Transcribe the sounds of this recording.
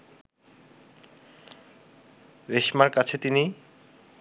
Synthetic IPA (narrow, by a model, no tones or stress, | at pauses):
ɾeʃmaɾkat͡ɕʰet̪ini